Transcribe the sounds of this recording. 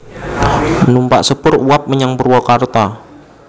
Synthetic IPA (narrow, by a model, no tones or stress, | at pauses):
numpa̰ʔsəpʊruwap̚məɲaŋpərwɔkart̪a